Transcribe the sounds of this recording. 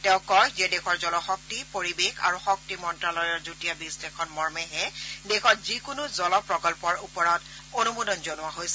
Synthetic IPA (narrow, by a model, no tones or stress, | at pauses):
tɛʊ̃kɔjzɛdekʰɔɹzɔlɔxɔk̚tipoɹibeka̰ɹuxɔk̚timɔntɹalɔjɔɹzutijabisdɛkʰɔnmɔɹmɛɦɛdekʰɔtzikʊnʊzɔlɔpɹɔkɔlpɔɹupɔɹɔt | onumudɔnzɔnʊwaɦojsɛ